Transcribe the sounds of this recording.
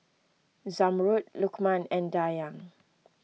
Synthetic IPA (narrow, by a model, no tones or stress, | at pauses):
zamɹut̚lukmãnɛ̃ndajãŋ